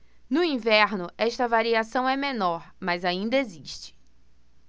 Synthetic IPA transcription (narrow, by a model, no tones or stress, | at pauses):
nʊĩvɛɾnʊɛʃt̪ɐvaɾiasɐ̃w̃ɛmẽnɔɾmɐzaĩnd̪ɐeziʃt͡ʃɪ̥